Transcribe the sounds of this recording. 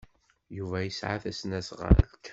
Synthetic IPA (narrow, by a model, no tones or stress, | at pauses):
juvæjəsʕa̰θæsnæsʁa̰ɾ̰lk